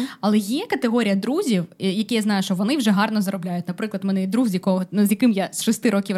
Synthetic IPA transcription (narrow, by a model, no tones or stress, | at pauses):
ɐlˠɛjɛkɐt̪eɦɔɾʲijɐd̪ɾuzʲiwjɐkʲɛjaznɑjʊʃt͡ʃɔʋɔnɪwʒɛɦɑrnɔzɐɾɔblʲajʊtʲnɐpɾɪklˠɐd̪mɛnɛid̪ɾuxzjɐkɔɦɔnuzjɐkɪmjasʃɔst̪ɪɾɔkʲiw